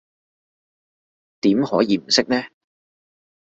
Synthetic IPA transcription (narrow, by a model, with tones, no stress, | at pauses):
t̪iː˨˥mhɔ̰ː˨˥jiː˨˧m̩˨˩sɪ˥k̚nɛː˥